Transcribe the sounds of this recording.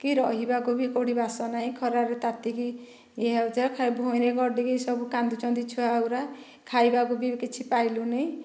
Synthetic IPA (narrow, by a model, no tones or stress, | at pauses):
kiɾɔɦibaɡubikoɽibasɔnaɦĩkʰɔɾaɾet̪at̪iki | eɦat̪akʰajbʱoneɡɔɾɖikesʌbukand̪ut͡ʃɔ̃w̃d̪it͡ʃʰuawɾa | kʰajbaɡubikit͡ʃʰipajlunej